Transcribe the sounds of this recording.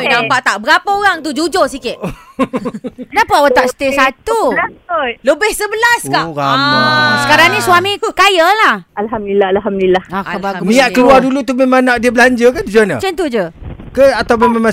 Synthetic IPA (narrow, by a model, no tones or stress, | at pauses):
nãmpaʔt̪aʔbəɾapaoɾaŋt̪ud͡ʒud͡ʒosikɪt̪ | kənapəawat̪aʔsə̥t̪esat̪uaotləbɪhsəbəlaskaamsəkaɾaŋnisuwamĩkajəlahalɦamdilahalɦamduilahakəbaumĩaʔkəluadulut̪umemaŋnaʔ̚diəbəlaɲd͡ʒəkand͡ʒud͡ʒanə̰t͡ʃənt̪ud͡ʒəkəat̪awmemãŋmã